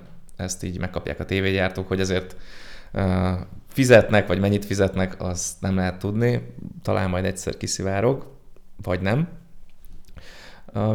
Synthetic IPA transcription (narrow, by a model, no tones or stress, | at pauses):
ɛst̪iːɟmɛkːɒpja̰ːkɒt̪eːveːɟaːrt̪oːkho̞ɟɒzeːrt̪ː | fizɛt̪nɛkʋɒɟmɛɲːit̪fizɛt̪nɛkʰɒznɛmlɛɦɛt̪ːud̪nit̪ɒlʔa̰ːnmɒjd̪ɛcsɛ̰rkisivaːɾo̞ɡvɒɟnɛm